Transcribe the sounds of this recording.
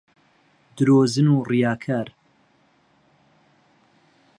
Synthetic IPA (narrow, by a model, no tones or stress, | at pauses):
d̪ɨɾoːzɨnuːrijaːkʰaːɾ